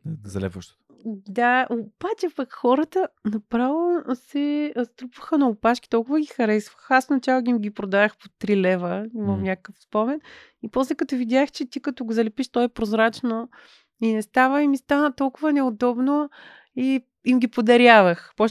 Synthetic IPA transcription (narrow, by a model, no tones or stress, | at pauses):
zɐlɛ̰pvəʃt̪o̥t̪ | d̪aʔob̥at͡ʃɛpɐkxɔɾət̪ənɐpɾalˠosɛst̪ɾupvəxənɐʊpaʃkʲi̥t̪ɔlˠkʊvəɡʲixɐɾɛsvəxasfnɐt͡ʃalˠoɡʲiimɡʲipɾod̪ad̪əxpot̪ɾilɛvəimɐmnʲakəkəfspɔmɛn | ipɔslɛkɐt̪ɔvid̪ʲjaxt͡ʃɛt̪ikɐt̪ɔɡozɐlɛpiʃt̪ɔɛpɾozɾat͡ʃno | inɛst̪avəimist̪anət̪ɔlˠkʊvɐnɛod̪ɔbno | i | imɡʲipod̪ɐɾjavəxpɔ